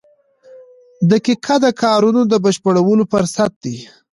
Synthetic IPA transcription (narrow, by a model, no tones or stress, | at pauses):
d̪əkɪkʰad̪əkʰɑɾunod̪əbəʃpəɽawəlopəɾsat̪̚d̪i